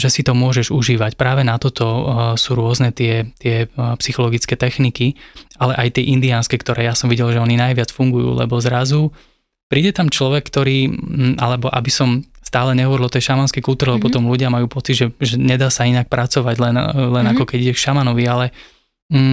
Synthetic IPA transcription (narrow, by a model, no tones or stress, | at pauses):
ʒɛsit̪ɔmʊɔʒɛʒuʒiːʋacpɾaːʋɛnat̪ɔt̪ɔsuːɾʊɔznɛt̪ɪɛt̪ɪɛpsixɔlɔɡit͡skɛːt̪ɛxnikialɛʔajt̪ɪɛʔind̪ianskɛkt̪ɔɾɛːjasɔmʋiɟɛlʒɛɔninajʋɪat͡sfuŋɡujṵːlɛ̰bɔzɾazu | pɾiːɟɛt̪amt͡ʃlɔʋɛkːt̪ɔɾiːʔalɛbɔʔabisɔmst̪aːlɛɲɛɦɔʋɔɾilɔt̪ɛjʃamanskɛjkulˠt̪uːɾalbpɔt̪ɔmluɟɪamajuːpɔt͡sidʒɛʒɛɲɛd̪aːsainak̚pɾʔat͡sɔʋaɟlɛnlɛnakɔkɛɟiɟɛʃʃamanɔʋialɛ